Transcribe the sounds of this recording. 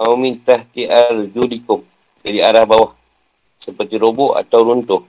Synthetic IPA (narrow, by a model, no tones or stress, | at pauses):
aəmint̪aht̪iʔard͡ʒulikʊŋ̚ | d͡ʒadiaɾahbawah | səpərt̪iɾobʊʔa̰t̪awɾunt̪ʊh